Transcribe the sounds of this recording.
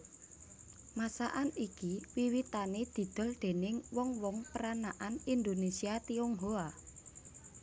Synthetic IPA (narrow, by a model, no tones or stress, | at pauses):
masaʔanikiwiwit̪aned̪̥i̤d̪̥ɔ̤ld̪̥e̤nɪŋwɔŋwɔŋpəɾanaʔanind̪onesiat̪ioŋɦoa